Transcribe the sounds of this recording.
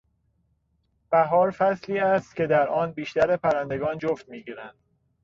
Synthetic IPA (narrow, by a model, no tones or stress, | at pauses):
b̥æɦɒːɾfæsliːæst̪ce̞d̪æɾʔɒːnbiːʃt̪æɾepʰæɾænd̪e̞ɡɒːnd͡ʒoft̪miːɡiːɾænd̪̥